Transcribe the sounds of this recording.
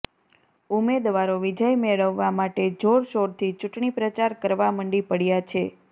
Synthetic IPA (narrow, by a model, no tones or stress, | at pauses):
umed̪ʋaɾoʋid͡ʒəjmeɭəʋːamaʈed͡ʒoɾʃoɾt̪ʰit͡ʃuʈɳipɾət͡ʃaɾkəɾʋaməɳɖipəɽjat͡ʃʰe